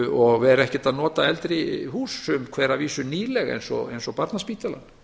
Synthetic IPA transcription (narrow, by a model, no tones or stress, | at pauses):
ɔɣvɛɾɛhcɛt̪aðnɔːt̪aɛlt̪ɾɪhuːsʏmkʰvɛːɾaviːsʏniːlɛɣḛjnsɔ̰ḛjnsɔpaɾt̪naspiːht̪ala̰n